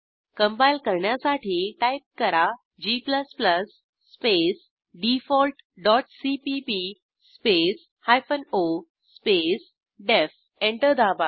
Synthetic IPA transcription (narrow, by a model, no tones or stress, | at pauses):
kə̃mpailkəɾɳjasaʈʰiːʈajp̚kəɾa | d͡ʑipləspləsː | pes | ɖifɔlʈ | ɖɔʈsipipi | spes | hajfəno | spes | ɖef | ẽɳʈəɾd̪aba